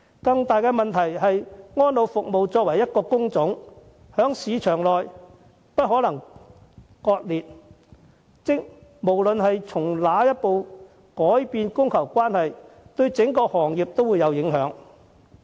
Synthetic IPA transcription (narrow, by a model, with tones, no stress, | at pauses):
kɐ˧ŋt̪aː˨jkɛː˧mɐ˨nt̪ʰɐ˨˩jɦɐ˨jŋɔː˥nlo˨˧wfʊ˨k̚mo˨wt͡sɔː˧k̚wɐ˨˩jːɐ˥t̚kɔː˧kʊ˥ŋt͡sʊ˨˥ŋ | hœː˨˥ŋsiː˨˧t͡ʃʰœː˨˩ŋlɔː˨j | pɐ˥t̚hɔː˨˥lɐ˨˩ŋ | kɔː˧t̚liː˨t̚ | t͡sɪ˥k̚mo˨˩wlɵ˨nɦɐ˨jt͡sʰʊ˨˩ŋlaː˨˥jɐ˥t̚po˨w | kɔː˨˥jpiː˧nkʊ˥ŋkʰɐ˨˩wkʷaː˥nhɐ˨jt̪ɵ˧ɥt͡sɪ˨˥ŋkɔː˧hɔː˨˩ŋjiː˨p̚t̪o˥wuː˨˧jɐ˨˧wjɪ˨˥ŋɦœː˨˥ŋ